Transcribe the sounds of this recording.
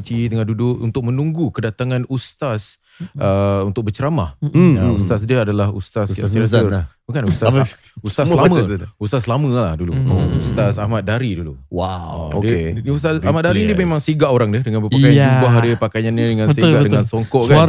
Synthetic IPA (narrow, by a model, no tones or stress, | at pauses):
t͡ʃit̪əŋandudʊkṵnt̪ʊk̚mənũŋɡukədat̪aŋãnust̪as | əunt̪ʊk̚bət͡ʃəɾamahjaust̪as̬diəadalahust̪asasiaəbakanuust̪as | ust̪aslamə̃ust̪aslamə̃lahduluoust̪asahmat̪̚daɾiduluwaodkeust̪asamat̪̚daɾidiəmemãŋsiɡaʔoɾaŋdədəŋanbəpakajand͡ʒubaɦadəpakajanɲədəŋanseɡaʔdəŋansɔŋkɔʔka